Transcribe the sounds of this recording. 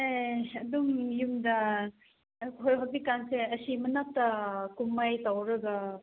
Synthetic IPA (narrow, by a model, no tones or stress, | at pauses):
eɐdumjumdɐ | kʰojɦabikanseɐsimɐnap̚tɐkumːajtawɾɐɡɐ